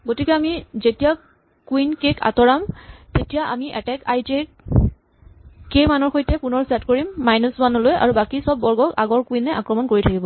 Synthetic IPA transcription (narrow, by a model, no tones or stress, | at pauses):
ɡotikɛamizetija | kuinkekʰa̰tɔɹamtetijaʔa̰miʔɛ̰tɛkajte | kemanɔɹxojtɛpunɔɹsɛtkoɹimːajnɔswanɔloja̰ɹubakisɔbːɔɹɡɔka̰ɡɔɹkuinɛʔakɹɔmɔnkoɹitʰakibɔ